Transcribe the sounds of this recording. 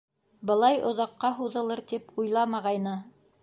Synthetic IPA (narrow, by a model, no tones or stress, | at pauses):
bɤ̆lˠɑjŏðɑqːɑɦuðɤ̆lˠɤɾt̪ipujlˠɑmɑʁɑjnɤ